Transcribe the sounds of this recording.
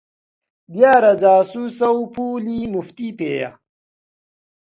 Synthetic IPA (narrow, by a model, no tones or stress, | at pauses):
bjaːɾɐd͡zaːsusɐwpuːliːmuft̪iːpeːja̰